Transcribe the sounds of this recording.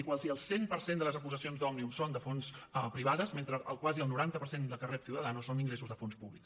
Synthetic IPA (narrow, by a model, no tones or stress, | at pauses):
ikwalˠsiəlˠsempəɾsend̪ələzəkuzəsionzd̪ɔmniumsond̪əfonsəpɾiβaðəzment̪ɾəʔəlˠkwaziəlˠnuɾant̪əpəɾsend̪əlˠkərɛt̪siwt̪əðanusoniŋɡɾesuzðəfonspuβlik